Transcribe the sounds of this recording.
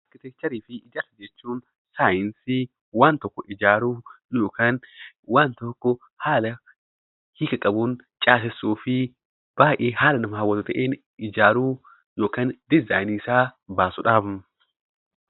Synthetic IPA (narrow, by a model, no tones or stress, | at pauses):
ɐkːɪt̪ɛt͡ʃːɐɾiːfɪʔɪd͡ʒɐt̪ːɐd͡ʒeːt͡ʃːuːn | saːjɪnsɪ | want̪ːɔkːɔʔɪd͡ʒaːɾujoːkɐn | want̪ɔkːɔ | haːlɐ | hikːɐkʼɐbʊn | t͡ʃʼaːsɛsoːfɪ | b̥aːʔehaːlɐnɐmɐhɐwɔt̪ɔt̪ɛʔen | ɪd͡ʒaːɾu | joːkɐnd̪ɪzɐjnisaːbaːsɔᶑaːb